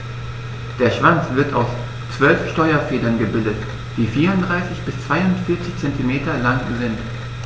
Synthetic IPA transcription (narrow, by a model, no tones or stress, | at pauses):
d̥eːɐʃv̥ant͡sv̥ɪɐta̰ʊs | t͡sv̥œlfʃtɔʏɐfeːdɐnɡəbɪldət | d̥iːfiːɐʁʊntdʁaɪsɪçb̥ɪst͡sv̥aɪʊntfɪɐt͡sɪçt͡sɛntimeːtɐlaŋzɪnt